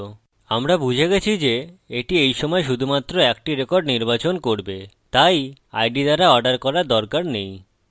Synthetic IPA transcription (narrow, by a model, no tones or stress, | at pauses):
amɾabud͡ʑʱeɡet͡ɕʰid͡ʑeeʈiejʃɔmɔeʃud̪ʱumat̪ːɾoɛk̚ʈiɾekɔɾɖniɾbat͡ɕonkoɾbet̪aja̰jɖid̪aɾaɔɖaɾkɔɾaɾd̪ɔɾkaɾnej